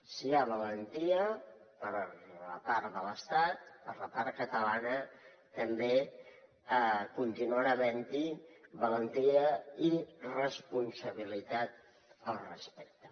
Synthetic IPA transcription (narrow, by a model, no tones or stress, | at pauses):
siaβələnt̪iə | pəɾlə̰paɾðələst̪at̪̚pəɾləpaɾ̚kət̪əlanə | t̪əmbe | kunt̪inuənəβɛnt̪iβələnt̪iəirəspunsəβ̞ilit̪at̪̚ | əlˠrəspɛk̚t̪ə